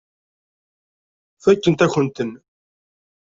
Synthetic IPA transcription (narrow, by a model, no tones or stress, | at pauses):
fækːənt̪æçənt̪ən